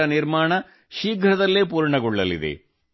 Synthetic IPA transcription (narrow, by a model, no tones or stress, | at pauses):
ɐniɾmaːɳɐ | ʃiːɡʱɾɐd̪ɐlːeːp̬uːɾɳɐɡɔɭːɐlḭd̪ḛ